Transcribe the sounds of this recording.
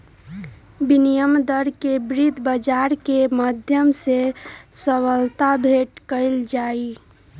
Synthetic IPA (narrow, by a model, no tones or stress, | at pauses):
binijəmd̪əɾkebɾid̪ʱbəd͡ʒaɾkeməd̪ʱjəmsesəwəlt̪abʱeʈkəɪld͡ʒai